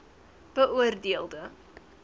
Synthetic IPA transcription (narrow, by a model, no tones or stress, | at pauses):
b̥əʔuərdiəlˠdə